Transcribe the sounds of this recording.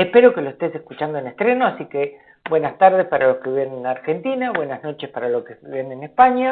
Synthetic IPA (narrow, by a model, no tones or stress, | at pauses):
ehpeɾo̞keloest̪ese̞hkut͡ʃand̪oenest̪ɾeno̞asike | bwe̞nast̪aɾð̞espaɾalo̞skeβjenenaɾxe̞nt̪inaβwe̞nazno̞t͡ʃespaɾalokeβjenenespaɲa